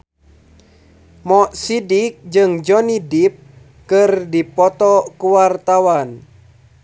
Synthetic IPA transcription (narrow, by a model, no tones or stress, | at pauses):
mɔʔsidik̚d͡ʒɨŋd͡ʒɔnidip̚ | kɨrdipɔt̪ɔkuwart̪awan